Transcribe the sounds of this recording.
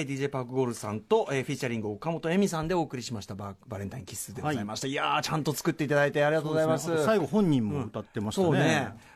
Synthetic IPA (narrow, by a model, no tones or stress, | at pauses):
d̪ʲiːʑe̞ːpakɯɡo̞ːɾɯ̟sãnt̪o̞ʔeːɸʲit͡ɕːaɾʲĩŋɡɯokːamo̞t̪o̞emʲisãnd̪e̞oːkɯ̟ɾʲiɕimaɕi̥t̪ababaɾẽ̞nt̪aĩŋkʲi̥sɨːd̪eɡzzaimaɕi̥t̪aiat͡ɕãnt̪o̞t͡sɨ̥kɯ̟t̪ːe̞it̪ad̪ait̪e̞aɾʲiɡat̪oːɡzaimasɨsaiɡo̞hõ̞ɲ̟ːĩmmõɯt̪at̪ːemaɕsoːne